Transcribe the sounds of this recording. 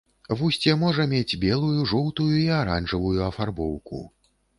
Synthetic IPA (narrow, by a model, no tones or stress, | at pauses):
vusʲt͡sʲɛmɔʐɐmʲed͡zʲbʲɛlˠujuʐɔwt̪ujuiaɾanʐɨvujuɐfarbɔwkṵ